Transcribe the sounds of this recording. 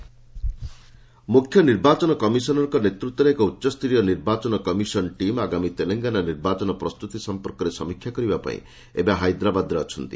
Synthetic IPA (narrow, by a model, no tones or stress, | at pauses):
mukʰjɔniɾbat͡ʃɔnɔkɔmisɔnɔɾkɔnet̪ɾut̪ːwɔɾeekɔutːɔst̪ʰɾijɔniɾbat͡ʃɔnɔkɔmisɔnʈimaɡamit̪eleŋɡananiɾbat͡ʃɔnɔpɾɔst̪ut̪isɔmpɔɾkɔɾesɔmikʰjakɔɾibapa̰ḭ̃ | ḛbaɦajd̪ɾabad̪ɾeɔt͡ʃʰɔnt̪i